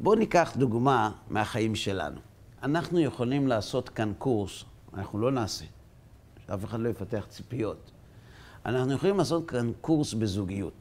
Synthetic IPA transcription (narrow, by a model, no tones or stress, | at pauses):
bo̞nikaχduɡmamʔeaχaimʃe̞la̰nṵ | anaχnuje̞χolimlaːso̞tkankuʁs | a̰naχnulo̞naːse̞ | ʃeafe̞χadlo̞jefate̞aχt͡spijo̞t | a̰naχnujeχolimlaːs̬o̞t̚kankuʁsbezuɡijut